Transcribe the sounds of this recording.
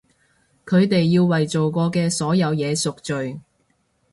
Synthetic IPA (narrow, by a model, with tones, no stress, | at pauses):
kʰɵ˨˧ɥt̪e˨jːiː˧wwɐ˨jt͡so˨wkɔː˧kɛː˧sɔː˨˥jɐ˨˧wjɛː˨˧sʊ˨k̚t͡ʃɵ˨ɥ